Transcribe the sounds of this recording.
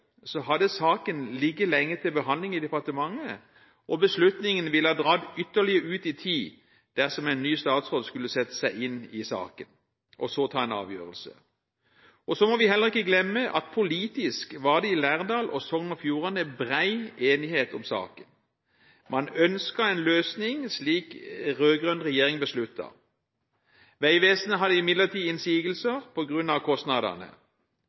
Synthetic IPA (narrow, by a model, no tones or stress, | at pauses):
sɔɦɑd̪əsɑːkənlɪɡːəlɛŋːət̪ʰɪlbəɦɑnd̪lɪŋɪd̪ɛpɑʁt̪əmɑŋːə | ʔɔbəslʉt̪nɪŋənʋɪləhɑːd̪ʁɑːd̪ʏt̪ːəʁlɪəʉːt̪ɪt̪ʰiː | d̪̥æʁsɔmæɪnːyːst̪ɑːt̪sʁoːd̪skʉlːəsɛt̪ːə̥sæɪɪnɪsɑ̰ːkən | ʔɔsoːt̪ʰɑːɛnɑ̰ːʋjø̰ːʁəlsə̰ | ɔsɔmɔʋɪhɛlːəʁɪkːəɡlɛmːəʔɑ̰t̪̚pʰʊliːt̪ɪskʋɑːʁd̪ɛɪlæːʁd̪ɑːlʔɔsɔŋnɔfjuːʁɑnəbʁæɪeːnɪheːt̪ɔmsɑ̰ːkən | mɑnœnskɑɛɪnløːsnɪŋsliːkʁøːɡʁœnʁɛjeːʁɪŋbəslʉt̪ʰːɑ̰ | ʋæɪʋeːsən̩əɦɑd̪əɪmɪd̪lət̪ʰiːɪnsiːɡəl̩səʁpʰɔɡʁʉnɑʋkʰɔst̪nɑd̪ɑ̰ʁnə̰